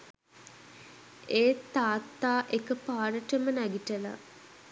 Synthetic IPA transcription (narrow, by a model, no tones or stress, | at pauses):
eːt̪ːaːt̪ːaːʔekəpaːɾəʈəmənæɡiʈəla̰